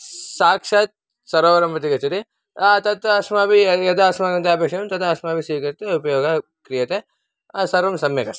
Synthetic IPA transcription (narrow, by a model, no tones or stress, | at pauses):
saːkʂɐt̪̚ | sɐɾɐːʋɐɾɐmpɐt̪ikɐt͡ʃɐɾi | t̪ɐt̪ɐɐsmaːbiɐd̪aːsmaːɡɐnt̪ɐɐːpeːkʂɐjɐmt̪ɐt̪ɐːsmaːbisiːkɐɾt̪eupɐjoːɡɐ | kɾijɐt̪e | sɐɾʋɐmsɐmjɐkɐs